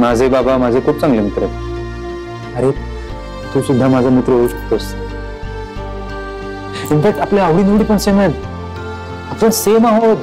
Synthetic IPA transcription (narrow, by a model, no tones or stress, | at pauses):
mad͡zʱebabamad͡zʱekʰuːp̚t͡sãŋɡlemit̪ɾət̪ | əɾe | t̪ʰusud̪ʱːamad͡zʱamit̪ɾəɦouːɕə̥k̚t̪os | infɛk̚ʈapljaaʋɽiːnuʋɽiːpəɳsemet̪ | apəɳsemaɦod̪